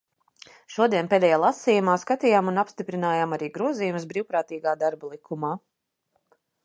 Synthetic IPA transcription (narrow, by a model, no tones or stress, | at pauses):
ʃuɔd̪iɛnped̪ɛjaːlˠasiːjumaːskat̪iːjaːmunapst̪ipɾinaːjaːmaɾiːɡɾuɔziːjuməsbɾiːwpɾaːt̪iːɡaːd̪aɾbalˠikʰumaː